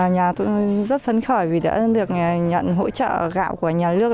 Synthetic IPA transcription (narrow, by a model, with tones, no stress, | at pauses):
ɲaː˨˩t̪ṵ˧˥zə˦˥t̚fə˧nxə˧˩jvi˨˩ɗa̰ː˧˥ɗɨ˨˩ək̚ɲə̰˧˨nɦo̰˧˥t͡ɕə̰ː˧˨ɣa̰ː˧˨wku˧˩əɲaː˨˩lɨ˦˥ək̚